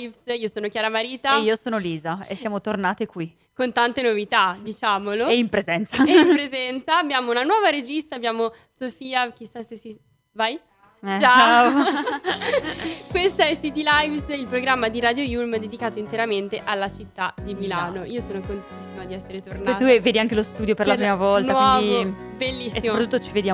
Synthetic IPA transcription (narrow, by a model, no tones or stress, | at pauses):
vsiːosoːnokjaːɾamaɾiːt̪aiːosoːnoliːzaḛsjamot̪ornaːt̪ekwi | kont̪ant̪enovit̪ad̪it͡ʃaːmoloeimpɾezɛnt̪saimpɾezɛnt̪saːbːjaːmounanwɔːvaɾed͡ʒist̪aːbjaːmo | sofiːak̟isːasesi | vaj | t͡ʃt͡ʃaao | kwest̪aɛsit̪ilajvsilpɾoɡɾamːad̪iɾad̪jojulmd̪ed̪ikaːt̪oint̪eɾament̪eʔalːat͡ʃit̪ːad̪imilaːnoʔiːosoːnokont̪eni̥sːimad̪iɛsːeɾet̪ornat̪ueveːd̪iaŋk̟elost̪uːd̪jopeɾlapɾiːmavɔltnawiɔːviobelːisːsːioɾat̪ut̪ːot͡ʃived̪ja